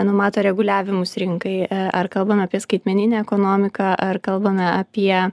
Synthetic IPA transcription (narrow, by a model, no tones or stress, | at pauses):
nʊmɑːt̪oːɾʲɛɡʊlʲæːʋʲɪmʊsɾʲɪŋkɐɪɐɐrkɐlˠbɐmʲɛɐpʲiɛskɐɪt̪ʲmʲɛnʲɪnʲæːɛkoːnoːmʲɪkɑʔɐrkɐlˠbɐmʲɛɐpʲiɛ